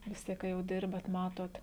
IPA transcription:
ʋʲɪs ˈtʲiɛk kɐ jɛʊ ˈdʲɪrbɐt ˈmɑːtoːt

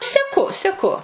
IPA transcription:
sʲɛˈkʊ sʲɛˈkʊ

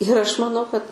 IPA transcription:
ɪr ˈɐʃ mɐˈnɐʊ kɐt

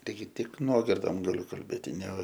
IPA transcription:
tɐɪˈɡʲɪ ˈtʲɪk ˈnuɔɡʲɪrdoːm ɡɐˈlʲʊ kɐlʲˈbʲeːtʲɪ nʲɛ

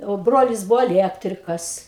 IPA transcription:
oː ˈbroːlʲɪs ˈbʊʋoː ɐˈlʲiɛktʲrʲɪkɐs

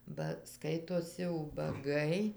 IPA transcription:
bɐ ˈskɐɪtoːsʲɪ ʊbɐˈɡɐɪ

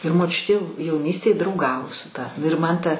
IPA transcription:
ɪr moːˈt͡ʃʲʊtʲeː jɛʊˈnʲiːsʲtʲeːj drɐʊˈɡɑːʋoː sʊ ˈtɐ nʊ ɪr ˈmɐn ˈtɐ

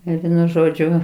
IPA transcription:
ˈɪr ˈʋʲiɛnʊ ˈʒoːd͡ʒʲʊ

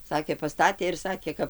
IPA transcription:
ˈsɑːkʲeː pɐˈstɑːtʲeː ɪr ˈsɑːkʲeː ˈkɐp

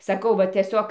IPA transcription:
sɐˈkɐʊ ʋɐ tʲiɛˈsʲoːk

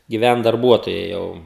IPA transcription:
ɡʲɪˈʋʲænt dɐrˈbuɔtoːjɛɪ ˈjɛʊ

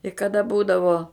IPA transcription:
ɪ kɐˈdɐ ˈbuːdɐʋoː

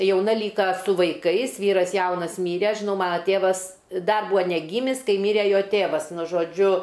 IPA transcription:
jɛʊˈnɐ ˈlʲiːkɐ sʊ ʋɐɪˈkɐɪs ˈʋʲiːrɐs ˈjɛʊnɐs ˈmʲiːrʲɛ ˈɐʃ ʒʲɪˈnɐʊ ˈmɑːnɐ ˈtʲeːʋɐs ˈdɐr ˈbuːɐ nʲɛˈɡʲiːmʲɪs ˈkɐɪ ˈmʲiːrʲɛ ˈjoː ˈtʲeːʋɐs ˈnʊ ʒoːˈd͡ʒʲʊ

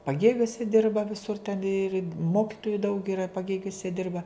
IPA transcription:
pɐˈɡʲeːɡʲuɔsʲɛ ˈdʲɪrbɐ ʋʲɪˈsʊr tʲɛn ɪr ˈmoːkʲɪtoːjʊ dɐʊk ɪˈrɐ pɐˈɡʲeːɡʲʊsʲɛ ˈdʲɪrbɐ

